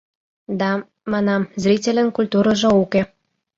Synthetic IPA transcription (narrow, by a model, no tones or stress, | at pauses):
d̪ɑ | mɑnɑmzrʲitʲelʲə̆nkulʲt̪uɾə̆ʒŏuke